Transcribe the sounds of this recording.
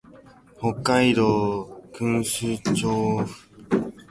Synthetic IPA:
hokːaiɾokɯ̃ŋɕɨt͡ɕoːɸɯ̥

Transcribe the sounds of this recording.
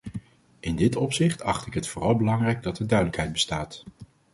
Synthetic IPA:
ɪndɪtɔpsɪχtʰɑχtɪkɦətfʊːrɑlˠbəlɑŋrɛjɡ̚dɑtəɹdœɥdələkɦɛjd̚bəstaːt

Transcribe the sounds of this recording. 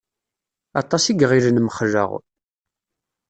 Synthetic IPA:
ɑ̰t̪ˤɑsiɡʁiɾənmχʒə̰ʁ

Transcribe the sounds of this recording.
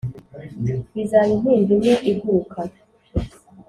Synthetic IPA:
βizaɾin̥iːndimeʔiɡukʰa

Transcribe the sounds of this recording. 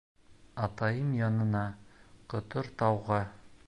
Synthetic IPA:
ɑt̪ɑjɤmjɑnɤ̆nɑqŏt̪oɾt̪ɑwʁɑ

